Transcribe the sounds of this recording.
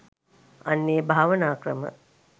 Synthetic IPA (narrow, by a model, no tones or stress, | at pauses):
anːeːbʱaːʋənaːkrəmə̰